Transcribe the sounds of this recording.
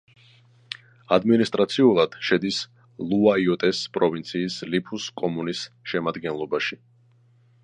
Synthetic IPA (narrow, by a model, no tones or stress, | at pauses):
ad̪minist̪ʼɾat̪sʰiulˠad̪̥ʃɛd̪is | lˠuaiɔt̪ʼɛspʼɾɔvint̪sʰiːslipʰuskʼɔmunisʃɛmad̪ɡɛnlˠɔbaʃi